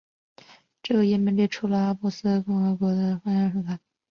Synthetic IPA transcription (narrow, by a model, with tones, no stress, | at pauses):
ʈ͡ʂɤ˥˩ɡə˩jɛ˧˥˩mɛ˧˥ŋli˥˩ʈ͡ʂʰu˧˥lə˧a˥mu˥˩sɹ̩˥kʊ˥ŋxɤ˧˥kwɔ˧˥d̪ə˧xa˥ja˧˥ʂɤ˧˥˩k̪a˥˩